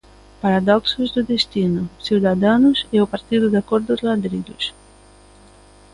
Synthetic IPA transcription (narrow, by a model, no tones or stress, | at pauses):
paɾad̪ɔksʊzd̪ʊd̪est̪inʊsiwd̪ad̪anʊseʊpaɾt̪iðʊd̪akɔɾd̪ʊzlad̪ɾidʊs